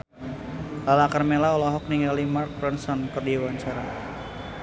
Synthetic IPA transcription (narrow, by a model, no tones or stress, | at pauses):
lalakarmelaɔlɔɦɔk̚niŋɡalimark̚pɛnsɔnkɨrdiwaɲt͡ʃaɾa